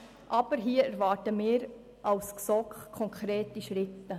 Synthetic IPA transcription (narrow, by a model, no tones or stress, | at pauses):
ʔɑb̥əɾɦiːəæɾʋɑːɾtəmɪːɾ | ʔɑwsksɔkχkʰːɔŋkχɾeːtiʃɾɪtːə